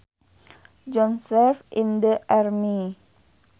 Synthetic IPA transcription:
d͡ʒɔ̃nsɛfĩndəʔaɾmi

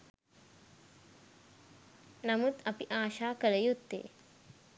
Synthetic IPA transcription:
nɐmut̪ɐpiʔaːɕaːkələjut̪ːḛː

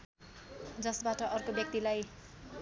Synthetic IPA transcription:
d͡zʌsbaʈʌʔʌrkobjʌk̚t̪ilaj

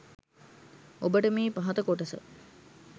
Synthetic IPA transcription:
obəʈəmiːpaɦɐt̪əkoʈəsə̰

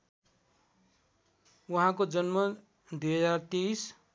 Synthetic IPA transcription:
wuɦãkod͡zʌnmʌ | d̪ujɦʌd͡zart̪ejs

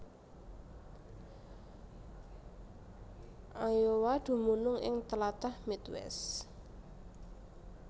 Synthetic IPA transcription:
ʔajowad̪̥ṳmunʊŋɪ̰ŋt̪əlat̪ahmit̪wɛ̰s

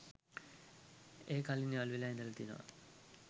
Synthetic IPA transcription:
eːkalinialʋilaind̪ələt̪ino̰ʋa̰

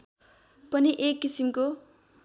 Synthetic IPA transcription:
pʌniʔekːisimko

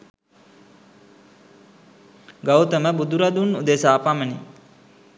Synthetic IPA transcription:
ɡawt̪əməbud̪uɾad̪unud̪esaːpaməni

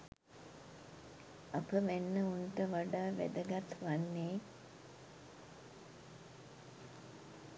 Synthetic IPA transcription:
apəʋenːəunʈəʋaɖaːʋæ̰d̪əɡat̪ʋanːeː

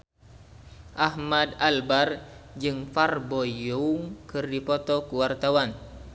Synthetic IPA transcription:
ʔahmadalbard͡ʒɨŋfarbɔjɔuŋkɨrdipɔt̪ɔkuwart̪awan

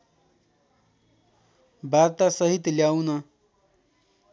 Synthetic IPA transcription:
baɾt̪asəɦit̪ljawna

